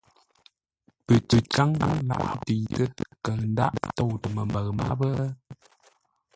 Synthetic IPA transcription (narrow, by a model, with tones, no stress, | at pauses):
pɨ˨tə˨ka˦ŋa˦ŋla̰˨ʔti˨tə˦kə˨n̩˦da̰˦ʔto˦˨wtə˨mə˨mbə˨ɣma̰˦bə˦